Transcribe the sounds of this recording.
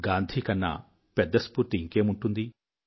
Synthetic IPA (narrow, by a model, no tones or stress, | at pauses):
ɡaːnd̪ʱikɐnːɐ̰ | pɛd̪ːɐspuɾt̪iŋke̞ːmuɳʈund̪i